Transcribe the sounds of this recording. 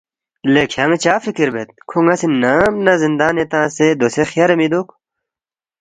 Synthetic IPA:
lekʰɐŋt͡ɕaːfikiɾbet̪̚kʰoŋɡɐsinaːmnɐzind̪aːnet̪ãːsed̪osexjaːɾemid̪ok

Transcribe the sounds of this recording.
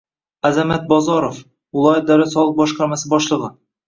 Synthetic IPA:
æzamat̪̚bɒzɒɾof | wʊlˠɑjat̪̚d̪æwlæt̪sɒlˠəq̚bɒʃqɑɾmasɪbɒʃlˠɤʁɤ

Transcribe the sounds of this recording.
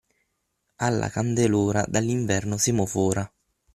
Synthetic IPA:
alːa̰kand̪eloːɾa̰d̪alːiɱvɛrnosimofɔːɾa

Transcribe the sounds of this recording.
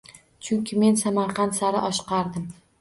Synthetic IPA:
t͡ʃʰʊŋkʲʰɪme̞nsamaɾqɑnt̪saɾɪʔɒʃqɑɾd̪ɪm

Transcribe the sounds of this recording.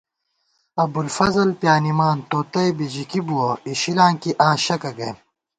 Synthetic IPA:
ɐbulfɐzɐlpjaːnimaːnt̪oːt̪ɐjbid͡ʑikibuɐiɕilãːŋkiʔãːɕɐkɐɡɐj

